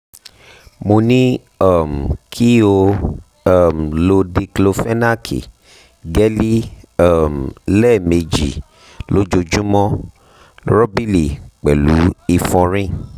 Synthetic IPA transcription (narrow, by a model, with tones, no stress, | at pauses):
mo˧nĩ˦ | a˦˨m̩˨kʰi˦o˧˦˨ | m̩˨lo˧di˧klo˧fɛ˦na˦kʰḭ˨ | ɡɛ˦li˦a˦˨m̩˨lɛ˦˨me˧d͡ʒḭ˨ | lo˦d͡ʒo˧d͡ʒũ˦mɔ̃˦ | ɾɔ˦bi˦li˨k͡pɛ˨lu˨˦i˧fɔ̃˧ɾĩ˦